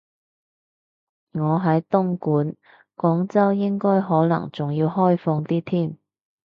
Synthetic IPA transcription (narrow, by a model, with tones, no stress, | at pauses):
ŋɔː˨˧ɦɐ˨˥jt̪ʊ˥ŋkuː˨˥n | kɔː˨˥ŋt͡sɐ˥wjɪ˥ŋkɔː˥jɦɔː˨˥nɐ̰˨˩ŋt͡sʊ˨ŋjiː˧wɦɔː˥jfɔː˧ŋt̪iː˥t̪ʰiː˥˩m